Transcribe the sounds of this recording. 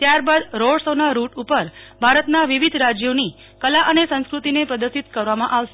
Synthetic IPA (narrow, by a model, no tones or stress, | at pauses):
t̪jaɾbad̪ɾoɭsənaɾuʈupəɾbʱaɾət̪naʋiʋid̪ʱɾad͡ʒjoni | kəlaʔənesə̃ñskɾut̪inepɾəd̪əɾʃit̪kəɾʋamãʔaʋʃe